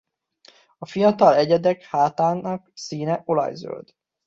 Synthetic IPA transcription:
ɒfijɒt̪ɒlɛɟɛd̪ɛkhaːt̪aːnɒksiːnɛʔo̞lɒ̰jzø̰ld̪̥

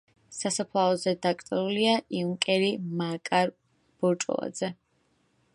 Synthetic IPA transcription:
sasapʰlˠaɔzɛd̪akʼt̪ʼɛɾuliaʔiuŋkʼɛɾimakʼaɾ | b̥ɔɾt͡ʃʼɔ̰lˠa̰d̪z̥ɛ

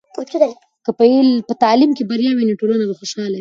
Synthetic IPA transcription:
ot͡ʃud̪a | kəpəelpət̪ɑlimkebaɾjɑwiniʈolanabaxoʃɑlaw

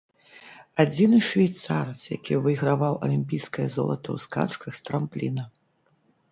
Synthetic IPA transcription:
ad͡zʲinɨʂvʲajt̪saɾɨt̪sja̰kʲivɨjɣɾavawʔɐ̰lʲimʲpʲijskɐjɐzɔ̰lˠɐt̪ɐ̰wska̰t͡ʂkɐxst̪ɾamplʲinɐ

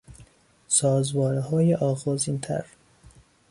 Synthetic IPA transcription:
sɒːzbɒːɾehɒːjeʔɒːɣɒːziːnt̪ʰæ̰ɾ

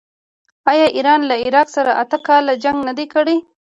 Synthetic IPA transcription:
ɑjɑʔiɾɑnlaɪɾɑqsaɾaʔat̪əkɑlad͡ʒaŋɡnad̪ekəɽe

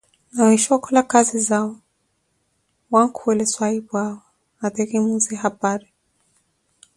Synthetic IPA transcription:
nawiʃakɔlakazizaɔ | waŋkʰuɛlɛswaiβwaɔ | aðɛɾimuzɛɦapaɾi

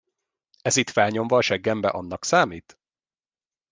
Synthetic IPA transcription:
ɛzit̪fɛlɲo̞mvɒːʃɛɡːɛmbɛʔɒn̪ːɒksaːmiːt̪

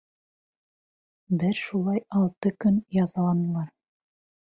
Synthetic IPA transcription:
bɘɾʃulˠɑjɑlˠt̪ɤkɵnjɑzɑlˠɑnɤ̆lˠɑɾ

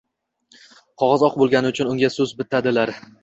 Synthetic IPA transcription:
qʰɒʁɒzɒqbolˠɡʲanɪʊt͡ʃʰʊnʊŋɡʲasɵzbɪt̪ʰad̪ɪlaɾ

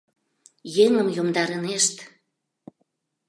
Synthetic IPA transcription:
jeŋəmjomd̪ɑɾəneʃt̪

